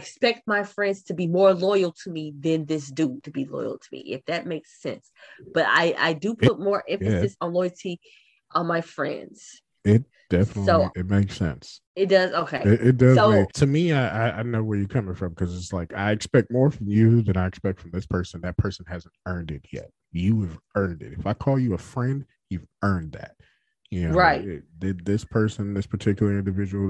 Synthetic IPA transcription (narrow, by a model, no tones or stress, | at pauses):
ɪɨkspɛk̚t̚maɪfɹɛ̃ndz̥tʰɨbimɔɹlɔɪl̩ˠtʰəmiðɨ̃nðɪs̬d̥ʉɾɨbilɔ̰ɪl̩ˠtʰəmḭʔɪ̰fðɨt̚meɪksɛ̰̃nsb̥ʌɾa̰ɪʔa̰ɪdɨpʰʊt̚mɔɹʔɛ̃ɱjɛsɨsn̩lɔɪl̩ˠtʰi | ʔə̃nmaɪfɹɛ̰̃ndz̥ | ɪt̚d̥ɛfənətˡsoʊiɨt̚meɪksɛ̰̃ns | ɨt̚d̥ʌzoʊkʰeɪɪɾɪt̚d̥ʌzoʊeɪtʰɨmiaɪʔaɪaɪdnoʊwə˞jɨkʰʌ̃mɪ̃ŋfɹʌ̃mkʰʌzɨtslaɪka̰ɪɨkspɛk̚t̚mɔɹfɹʌ̃mjɨðɨ̃ñaɪɨkspɛk̚tfɹʌ̃mðɪspʰɜ˞sɨ̃n̩ðɨt̚pʰɜ˞sn̩hæz̃n̩tɜ̃˞ndɨt̚jɛ̰t̚jɨɨvɜ̃˞ndɨ̰ɾɨfaɪkʰɔlˠjɨəfɹɛ̃nd̥̚ | jʉvɜ̃˞nðæ̰t̚ | jɨnoʊɹaɪt̚ɪðɪd̪̚ðɪspʰɜ˞sɨ̃nðɪspʰə˞tʰɪkjl̩ˠə˞ɪ̃ndɨvɪd͡ʒəwl̩ˠ